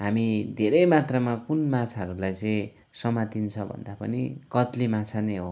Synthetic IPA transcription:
ɦamid̪ʱeɾʌjmat̪rʌmakunmat͡sʰaʌɾulajt͡sʌĩ | sʌmat̪int͡sʰʌbʱʌ̰nd̪apʌnikʌt̪limat͡sʰaneɦo

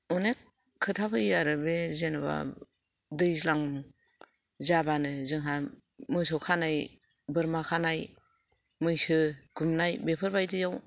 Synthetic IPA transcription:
ɔnekʰː | ɯtʰapʰɯjaɾɯbezenɯba̰ | dɯjzlaŋ | zabanɯzɯŋɦa | mɯs̬ɔwkʰanaj | bɯɾmakʰanaj | mɯjsɯɡ̥umnajbepʰɯɾbajdɯjaw

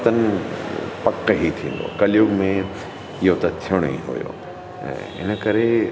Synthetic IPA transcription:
t̪ənɪ | pɐkːɦit̪ʰĩːnd̪o̰ːkɐlijoːɡmẽ | ɪɦot̪ɐt̪ʰijəɽ̃oḭ̃ɦo̰jo̰ː | ɛ̰̃ː | ɪ̰nə̆kɐɾe

